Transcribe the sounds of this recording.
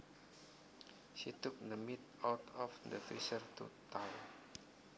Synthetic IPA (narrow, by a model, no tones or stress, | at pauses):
ʃit̪ʊk̚d̪əmɪt̪̚awt̪ɔfd̪əfɾisərt̪ṵt̪aw